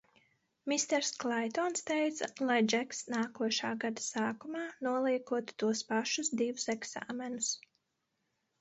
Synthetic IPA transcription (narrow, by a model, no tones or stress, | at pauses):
mist̪ɛɾsklˠajt̪ɔnst̪ɛjt̪salˠajd͡ʒɛksnaːkuɔʃaːɡad̪asaːkumaːnuɔlˠiɛkuɔt̪u̥t̪uɔspaʃusd̪ivusɛɡsa̰ːmɛnus